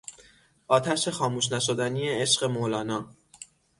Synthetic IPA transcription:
ʔɒːt̪ʰæʃe̞xɒːmuːʃnæʃod̪æniːjeeʃɢe̞molɒːnɒː

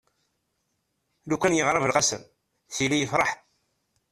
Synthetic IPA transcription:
lukʷːænjəʁɾˤɑvəlʁɑsə̰m | θilijəfɾˤɑħ

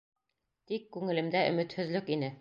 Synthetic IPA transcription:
t̪ikːʉŋɘ̆lɘ̆md̪æʔɵ̆mɘ̆t̪hɵ̆ðlɵkinɘ

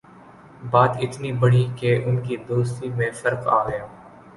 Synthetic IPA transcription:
baːt̪ɪt̪nibɐɽikeʔʊnkid̪oːst̪imẽfɐɾqa̰ːɦjãː

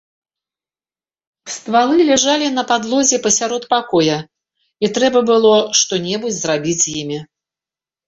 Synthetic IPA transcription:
st̪valˠɨlʲɛʐalʲinɐpad̪lˠɔzʲɛpɐsʲaɾɔt̪pakɔjɐ | it̪ɾɛbɐbɨlˠɔʂt̪ɔnʲɛbud͡zʲzrabʲid͡zʲjimʲi

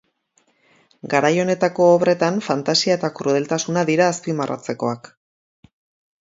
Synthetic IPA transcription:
ɡaɾajo̞ne̞t̪ako̞ːβre̞t̪aɱfant̪asiae̞t̪akɾuð̞e̞lt̪asunaðiɾaːspimarʔa̰t͡se̞ko̞̰ak

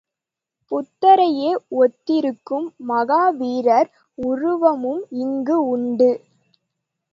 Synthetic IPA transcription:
pʊt̪ːɐɾɐjeːɔt̪ːɪɾɯkːɯmːɐɣaːʋiːɾɐɾ | ʊrʊʋɐmɯmɪŋɡɯʊɳɖɯ

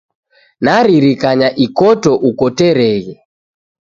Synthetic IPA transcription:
naɾiɾikaɲaʔikɔtɔʔukɔtɛɾɛɣɛ

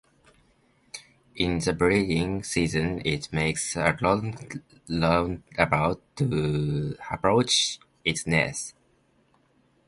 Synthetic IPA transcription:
ʔɪ̃nðəbɹidɪ̃ŋsizɨ̃nɪt̚meɪksəlɔŋ | lɔnəbaʊtʰːu | əpɹ̥oʊt͡ʃ | ɪtsnɛ̰s

